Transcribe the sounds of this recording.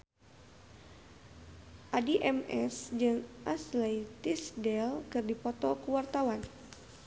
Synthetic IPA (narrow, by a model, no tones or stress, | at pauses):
ʔadiʔɛmɛ̰sd͡ʒɨŋʔaslɛjt̪isdɛlkɨrdipɔt̪ɔkuwart̪awan